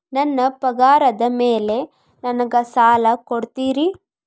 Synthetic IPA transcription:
nɐnːɐpɐɡaːɾɐd̪ɐmeːle̞ | nɐnɐɡɐsaːlɐkoɽt̪iːɾi

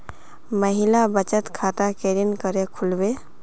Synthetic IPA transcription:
məɦilabət͡ʃət̪kʰat̪akeɾinkəɾekʰulbe

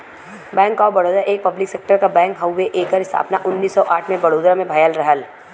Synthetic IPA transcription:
bɛ̃ːŋkɔːɾbɐɽoːd̪ɾaʔeːk̚pɐblɪkseːk̚ʈəɾkabɛ̃ːŋkɦɐwːeʔeːkəɾɪst̪ʰa̰ːpnaʔʊnːiːsːɔʔaːʈʰmẽbɐɽoːd̪ɾamẽbʱɐjəlɾɐɦəl

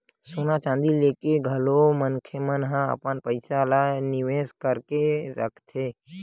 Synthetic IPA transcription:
soːnat͡ʃãːnd̪ileːkeɡʱəlomənkʰemənɦãə̰pənpəɪsalanɪʋeːskəɾkeɾəkʰt̪ʰeː

